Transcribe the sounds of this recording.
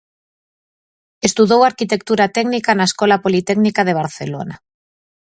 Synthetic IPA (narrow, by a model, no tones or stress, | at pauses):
est̪uðowaɾkit̪e̞kt̪uɾat̪ɛɡnikanaeskolapolit̪ɛɡnikað̞eβ̞aɾθelo̰na